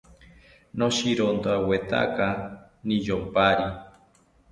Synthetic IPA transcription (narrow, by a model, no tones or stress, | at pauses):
noʃiɾond̪oawet̪a̰ka | nid͡ʒopaɾi